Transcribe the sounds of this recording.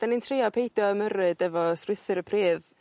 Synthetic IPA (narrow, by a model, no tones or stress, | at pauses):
d̥anintʰriːɔpʰejdjɔəmərɨdɛvɔsrɪθɨɾəpʰriːð